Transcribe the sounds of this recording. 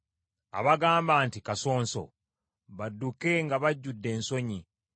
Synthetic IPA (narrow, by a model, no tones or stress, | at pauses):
a̰βaɡaːmbaːntikaso̞ːnso̞̰ | βadːuke̞ŋɡaβaɟːudːe̞ːnso̞ɲi